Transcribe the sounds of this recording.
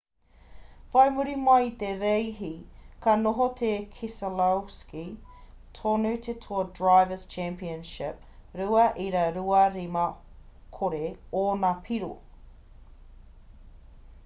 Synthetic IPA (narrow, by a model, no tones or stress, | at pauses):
fɐjmuɾimait̪eɾejɦikɐnoɦot̪ʰekʰisɐlawskitʰonut̪ʰetʰodɹajvəst͡ʃʰæmpiənʃɪp̚ɾuɐʔiɾɐɾuɐɾimɐ | kʰoɾeonapʰiɾo̰